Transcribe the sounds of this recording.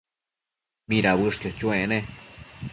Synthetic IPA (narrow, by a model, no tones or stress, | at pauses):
miɾabɨʂkat͡ʃwene